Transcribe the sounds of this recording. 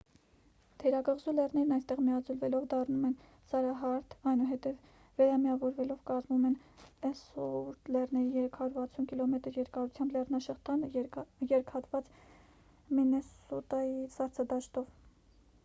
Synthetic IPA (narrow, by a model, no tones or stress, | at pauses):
t̪ʰɛɾɑɡəʁzulɛrnɛɾnɑjst̪ɛʁmijɑd͡zulvɛlɔvd̪ɑrnumɛn | sɑɾɑɦɑɾt̪ʰɑjnuɦɛt̪ɛvː | ɛɾɑmiɑvɔɾvɛlɔvkɑzmumɛnɛsɔuɾt̪lɛrnɛɾijɛɾɛkʰɑjuɾvɑt͡sʰunkilɔmɛt̪əɾjɛɾkɑɾut͡sʰjɑmblɛrnɑʃɛχt̪ʰɑnjɛɾkʰhɑt̪vɑt͡s | minɛsɔt̪ɑjisɑɾt͡sʰɑd̪ɑʃt̪ɔv